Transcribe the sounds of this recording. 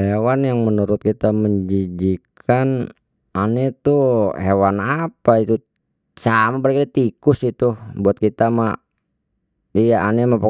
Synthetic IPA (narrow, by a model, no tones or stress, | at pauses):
ewanjaŋmənuɾʊt̪̚kit̪aməɲd͡ʒid͡ʒikʰan | anet̪uhewanapait̪u | samabaɾakadat̪ikʊsit̪ubuat̪̚kit̪ama | ijaʔanemapa